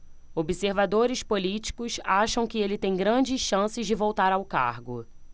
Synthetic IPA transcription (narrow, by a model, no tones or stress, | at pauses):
obiseɾvad̪oɾɪspolit͡ʃi̥kʊsaʃɐ̃w̃kɪelɪt̪ẽj̃ɡɾɐ̃d͡ʒɪsʃɐ̃sɪzd͡ʒɪvowt̪aɾawka̰ɾɡʊ̰